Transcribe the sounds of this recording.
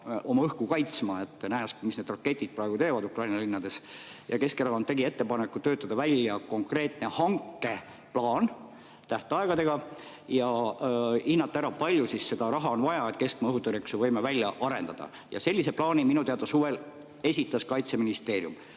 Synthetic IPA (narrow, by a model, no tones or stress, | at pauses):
ʔo̞mɑɤhkukɑjt̪smɑe̞t̪ːˑnæɦæsmisne̞d̪rɑkːˑe̞t̪ʲːˑid̪̥̚prɑeɡut̪e̞ːvɑd̪ukrɑjnɑlinːɑd̪e̞sjɑ̰ke̞skeɾɑkont̪e̞ɡie̞t̪ːepɑnekːˑut̪ːøːt̪ːˑɑd̪ɑvælʲjɑko̞ŋkre̞ːt̪ne̞hɑŋkːˑe̞ | plɑːn | t̪æht̪eɑeɡ̥ɑd̪e̞ɡ̥ɑ | jɑ | inːɑt̪ːˑæɾɑpɑlʲjusisːe̞d̪̥ɑɾɑɦɑo̞nvɑjɑet̪̚ke̞skmɑɤɦut̪ːˑoɾiksuvɤjmevælʲːjɑʔɑɾe̞̰nd̪̥ɑd̪̥ɑ̰ | jɑ̰se̞lːise̞plɑːnʲiminut̪eɑd̪ɑsuve̞l | e̞sʲit̪ːˑɑskɑjt̪se̞minist̪e̞ːɾjum